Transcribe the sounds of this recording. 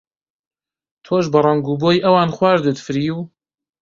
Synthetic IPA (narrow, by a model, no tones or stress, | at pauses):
t̪ʰoːʒbɐrˤɑŋɡuːboːjʔɐwaːnχwaːɾd̪ɨt̪fɨɾiːw